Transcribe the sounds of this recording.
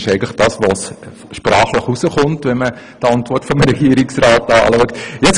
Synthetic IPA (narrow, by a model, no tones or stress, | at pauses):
ʃɛɪɡən̩ləχd̥ɑːsʋos | ʃprɑːχləχusəχʊntʋɛnmə | d̥ɑntvʋɔrtfɔmɾɛɡiːəɾɪksrɑːtɑ̰ːluəktjɛt͡s